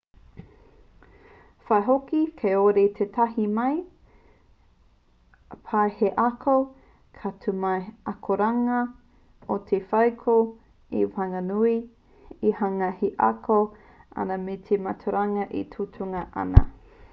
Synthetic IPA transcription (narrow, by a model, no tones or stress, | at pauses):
fɐeɦokikʰejoɾet̪ʰet̪ʰɐɦimɐj | pʰaeheʔakʰo | kʰatʰumɐjʔɐkʰoɾaŋɐ | ot̪ʰefɐwkʰo | ḭfaŋɐnui | ihaŋɐheʔa̰kʰo | ʔa̰nɐmet̪ʰemɐtʰuɾaŋɐʔḭtʰutʰuŋɐʔɐ̰nɐ̰